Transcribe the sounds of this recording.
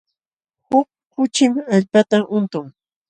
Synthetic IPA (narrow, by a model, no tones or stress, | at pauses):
hʊk̚ | kʊt͡ʃɪmaʎpat̪aʔʊnt̪ʊŋ